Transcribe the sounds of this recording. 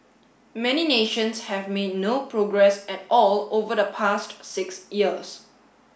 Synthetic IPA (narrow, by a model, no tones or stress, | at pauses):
mɛnineʃə̃nshɛvmed̚nopɹoɡɹɛsɛt̚ɔlovədəpʰastsɪksjiəs